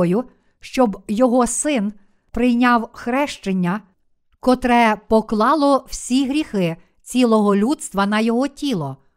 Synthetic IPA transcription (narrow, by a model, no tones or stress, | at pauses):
jʊ | ʃt͡ʃɔbjɔɦɔsɪn | pɾɪjnʲɑwxɾɛʃt͡ʃenʲːɐ | kɔt̪ɾɛpɔklˠɑlˠɔw̥sʲiɦɾʲixɪ | t͡sʲilˠɔɦɔlʲud̪st̪ʋɐnɐjɔɦɔtʲilˠɔ